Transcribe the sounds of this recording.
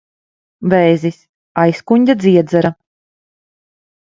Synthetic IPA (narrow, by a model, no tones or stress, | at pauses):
vɛjzis | ajskuɲʲd̪ʲad̪zʲiɛd̪zaɾa